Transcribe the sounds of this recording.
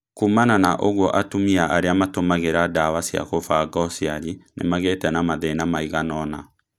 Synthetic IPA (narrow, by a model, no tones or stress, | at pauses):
kumananaʔoɣwɔʔatumiaʔaɾeamatomaɣeɾadawasia̰kofaɡɔsiaɾinḛmaɣetɛnamaðɛnamaiɣanɔna